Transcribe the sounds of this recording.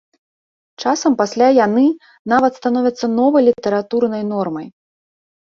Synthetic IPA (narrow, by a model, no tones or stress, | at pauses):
t͡ʂasɐmpasʲlʲajanɨ | navɐt̪st̪anɔvʲɐt̪sːɐnɔvɐjlʲit̪ɐɾat̪urnɐjnɔrmɐj